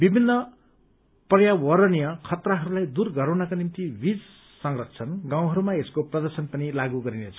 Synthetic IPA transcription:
bibʱinːʌ | prʌjawʌɾʌnijʌkʰʌt̪raɦʌɾulajd̪urɡʌɾawnʌkanimt̪ibid͡z | sʌŋrʌt̪̚ʰt͡sʰʌnɡaw̃ɦʌɾumaeskoprʌd̪ʌrsʌnpʌnilaɡuɡʌɾinet͡sʰʌ

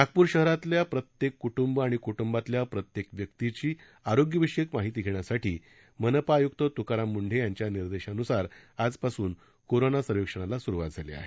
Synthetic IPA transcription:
ak̚puːɾɕəɦɾat̪ljapɾət̪jekːuʈumbaɽ̃ikuʈumbat̪ljapɾət̪jekʋjək̚t̪it͡ɕiː | aɾoɡjəʋiɕikmaɦit̪̬iːɡʱeɳ̃jasaʈḭː | mənəpaːjuk̚t̪ət̪ukaɾamːuɳɖʱejaɲt͡ɕjaniɾd̪eɕanusaɾad͡zpasuːn | koɾonasəɾʋikʂəɽ̃alasuɾuʋa̰t̪̚d͡zʱalḛa̰ɦe

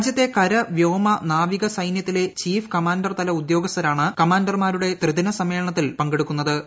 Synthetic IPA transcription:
d͡ʑjɐt̪ːe̞kɐɾɐʋjo̞ːmɐnaːʋiɣɐsɐjnjɐt̪ːile̞t͡ɕiːfkɐmaːnɖɐrt̪ɐlɐud̪jo̞ːɡɐst̪ɐɾaːɳɨkɐmaːnɖɐrmaːɾuɽe̞t̪rɨd̪inɐsɐme̞ːɭɳɐt̪ːilpɐŋɡeɽukːunːɐðɨ

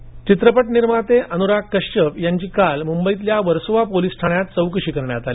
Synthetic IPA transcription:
t͡ɕit̪ɾəpəʈniɾmat̪eʔənuɾakːəɕt͡ɕəpjaɲt͡ɕiːkalmumbəit̪ljaʋəɾsʋapolisʈʰaɳjat̪̚t͡səwkɾɕiːkəɾɳjat̪ali

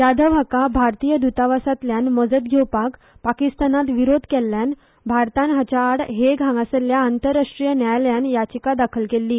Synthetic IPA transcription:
jad̪ʱəʋakabʱaɾt̪ijəd̪ut̪aʋasat̪ljanməd͡zəd̪ɡʱewpak | pakist̪anat̪ʋiɾod̪ʱkɛlːjan | bʱaɾt̪anɦat͡ɕaːɽɦeɡʱãŋɡasəljaːnt̪əɾaʂʈɾijənjajljanjat͡ɕikad̪akʰəlkelːiː

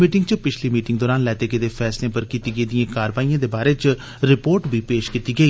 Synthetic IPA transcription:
miːʈɪ̃ŋɡt͡ʃəpɪt͡ʃʰliːmiːʈɪ̃ŋɡ̚d̪ɔːɾaːnlɛːt̪eːked̪eːpʰɛːslẽːpəɾkiːt̪iːɡəiːd̪ijãːkaːɾʋaːijãːd̪eːbaːɾeːt͡ʃ | ɾɪpoːɾʈbʱiːpeːʃkiːt̪iːɡəiː

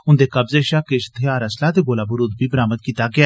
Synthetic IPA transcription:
ʊnd̪eːkɐbzeʃaːkeʃt̪ʰeaːɾəslat̪eɡoːlaːbəɾud̪̚biːbəɾaːməd̪̚kiːt̪aɡɪa

